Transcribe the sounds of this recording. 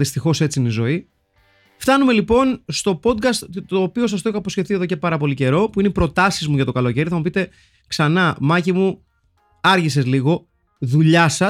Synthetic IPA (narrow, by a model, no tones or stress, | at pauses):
ðist̪ixo̞se̞t͡siinizo̞i | ft̪ɐnume̞lipo̞nst̪o̞po̞d̪kɐst̪t̪o̞ːpio̞s̬ɐst̪oiçoɐposce̞θie̞ðo̞ce̞pɐɾɐpo̞lice̞ɾo̞puineipɾo̞t̪ɐsizmuʝɐt̪o̞kɐlo̞ce̞ɾiθɐmupit̪e̞ | ksɐnɐmɐcimu | ɐɾʝise̞zliɣo̞ | ðuʎɐsɐ